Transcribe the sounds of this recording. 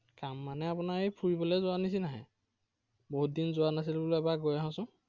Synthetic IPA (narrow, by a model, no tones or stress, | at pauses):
kamːanɛapunaɹejpʰuɹibɔlɛzʊanis̬inaɦɛ̰̃ | boɦut̚dinzʊwanas̬ilbuleɛbaɡojaɦɔ̃sʊ̃